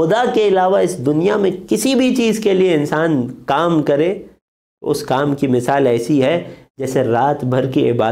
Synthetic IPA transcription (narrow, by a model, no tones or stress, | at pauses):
ʊd̪akeɪlaːʋaɪsd̪ʊnijamẽkɪsibʱit͡ʃiːzkelieɪ̃nsaːnkaːmkɐɾẽ | ʊ̰skaːmkimɪsaːlɛːsiɦɛd͡ʒɛːseɾaːt̪bʱɐɾkiɪ̰baː